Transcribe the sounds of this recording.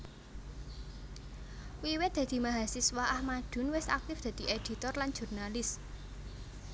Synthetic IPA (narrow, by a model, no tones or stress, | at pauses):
wiwɪt̪̚d̥̪a̤d̪̥i̤maɦasiswaʔahmaɖ̪̥ʊ̤nwɪsa̰k̚t̪ɪfd̪̥ä̤d̪̥i̤ʔed̪̥it̪ɔrlan̥ʒ̥urnalɪs